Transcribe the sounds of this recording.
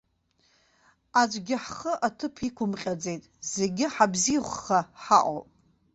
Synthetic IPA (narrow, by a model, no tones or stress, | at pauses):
ad͡ʒʷʼɡʲɪħχəʔatʰɨpʰikʷʰʊmqʲʼad͡ze̞jtʼz̥eɡʲɪħabziχʷːaħa̰ʔʷʼo̰pʼ